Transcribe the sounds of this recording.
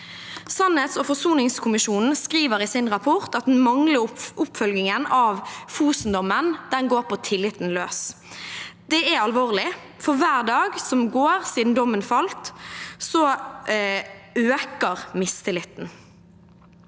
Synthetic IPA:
sɑnət̪sɔfɔsuːnɪŋskʰʊmɪʃuːnn̩skʁiːʋəʁɪsɪnʁɑpʰɔʁt̪ɑt̪̚d̪n̩mɑŋləʔʊpfœlɡɪŋənɑʋfuːsn̩d̪ɔmənd̪̥ɛnɡoːɾpʰɔt̪ʰɪlːɪt̪n̩løːs | d̪̥ɛæɑlʋoːʁlɪ | fɔʋæːʁd̪ɑːɡsɔmɡoːʁsiːd̪n̩d̪ɔmːənfɑlt̪sɔ | øːkəʁmɪst̪ʰɪlɪt̪n̩

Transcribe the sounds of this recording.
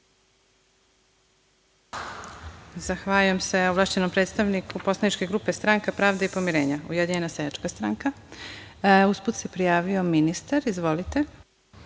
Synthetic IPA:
zaxʋaːlujemse̞oʋlˠaːʃt͡ɕenompɾe̞ːt̪st̪aʋnikʰupo̞slanit͡ʃke̞ɡɾupe̞st̪ɾaŋkapɾaːʋd̪eipo̞miɾe̞ːɲaujed̪iɲenasejat͡ʃkast̪ɾaŋka | usput̪se̞pɾijaːʋio̞minist̪aɾizʋo̞lit̪e

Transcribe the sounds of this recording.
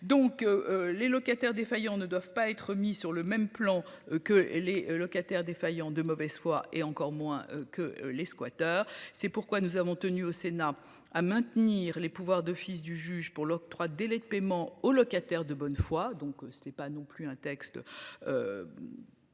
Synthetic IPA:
d̪ɔ̃klelɔkat̪ɛʁd̪efajɑ̃nəd̪wavpaɛt̪χəmisyʁləmɛmplɑ̃kəlelɔkat̪ɛʁd̪efajɑ̃d̪əmɔvɛz̥fwaʔeɑ̃kɔʁmwɛ̰̃økə̰leskwat̪œːʁsɛpuʁkwanuzavɔ̃t̪ənyosena | amɛ̃t̪niːʁlepuvwaʁd̪ɔfis̬d̪yʒyʒpuʁlɔk̚t̪χwad̪elɛd̪əpemɑ̃olɔkat̪ɛʁd̪əbɔnfwad̪ɔ̃ksɛpanɔ̃plyɛ̃t̪ɛkst̪ø̰

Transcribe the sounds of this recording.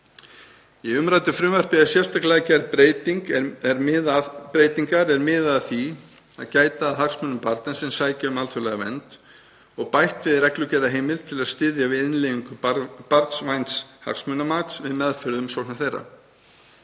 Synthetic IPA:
iʏmɾajt̪ʏfɾʏːmvɛr̥pɪðasjɛr̥st̪aklɛacɛɾpɾeːjt̪iŋkɛɾmɪðapɾejt̪iŋkaɾɛɾmɪːðaðθi | aðcaːjt̪aːðɦaksmœnʏmpaɾt̪nansɛmsaːjcɪʏmalt̪ʰʏlɛɣavɛ̰nt̪ | ɔɣpajht̪vɪðɾɛklʏcɛðaɦeːjmɪlt̪ʰɪlaðst̪ɪðjavɪðɪnleiŋkʏpaɾt̪svajnsha̰ksmœnamaːt̪svɪðmɛðfʏɾðʏmsowhnaθejrːa̰

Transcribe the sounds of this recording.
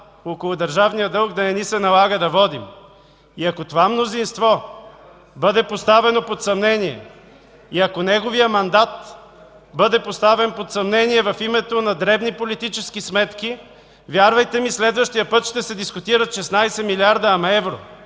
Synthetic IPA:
okolˠʊd̪ɐɾʒavnijəd̪ɤlˠkd̪ɐnɛnisɛnɐlˠaɡəd̪ɐvɔd̪im | iɐkot̪ovamnozinst̪vɔ | bɤd̪ɛpost̪avɛnopot̪sɐmnɛniɛ̰ | iɐkonɛɡovijəmɐnd̪at̪ | bɤd̪ɛpost̪avɛnpot̪sɐmnɛniɛvɐfimɛt̪onɐd̪ɾɛbnipolit̪it͡ʃɛskismɛt̪ki | vʲjaɾvɐjt̪ɛmislɛd̪vəʃt̪ijəpət̪ʃt̪ɛsɛd̪iskʊt̪iɾət̪ʃɛsnajsɛmiliaɾd̪ɐːmɛvɾo̰

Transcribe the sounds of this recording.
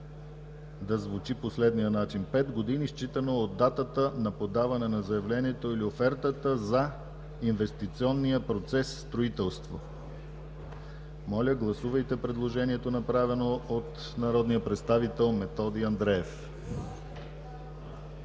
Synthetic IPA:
d̪ɐzvut͡ʃiposlɛd̪nijənat͡ʃinpɛd̪ɡod̪inist͡ʃit̪ənoːd̪ːat̪ət̪ənɐpod̪avɐnɛnɐzɐjɐvlɛniɛt̪oiliofɛɾt̪ət̪əzɐ | invɛst̪it̪siɔnːijəpɾot̪sɛssːt̪ɾoit̪ɛlˠst̪vo | mɔlʲəɡlˠɐsuvəjt̪ɛpɾɛd̪lˠoʒɛniɛt̪onɐpɾavɛnoot̪ | nɐɾɔd̪nijəpɾɛt̪st̪avit̪ɛlˠmɛt̪ɔd̪iɐnd̪ɾɛɛf

